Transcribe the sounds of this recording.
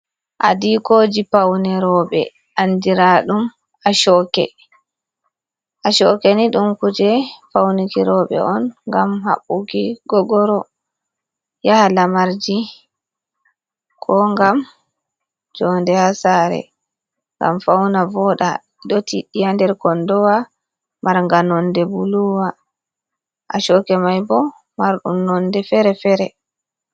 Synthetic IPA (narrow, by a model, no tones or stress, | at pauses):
ʔa̰dikoːd͡ʒipawnɛɾɔɓɛ̰ | ʔandiɾaɗum | aʃɔkɛ̰ | ʔaʃɔkeniɗumkud͡ʒɛfawnikiɾɔɓɛ̰ʔɔnŋɡamha̰ɓːuɡiɡɔɡɔɾɔ | jahalamaɾd͡ʒi | kʰɔŋɡam | d͡ʒɔndɛhasaːɾɛ̰ | ŋɡa̰mfawnavɔɗa̰ | ɗɔtiɗijandɛɾkɔndɔwa | maɾŋɡanɔndɛbuluwa | ʔaʃɔkɛmajbɔ | maɾɗṵmnɔndɛfɛɾɛfɛɾɛ